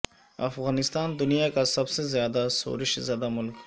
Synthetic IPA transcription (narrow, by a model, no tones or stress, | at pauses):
ɐ̰fɣaːnɪst̪aːnd̪ʊnijakasɐbsezjaːd̪aso̰ːɾɪʃzjaːd̪amʊlk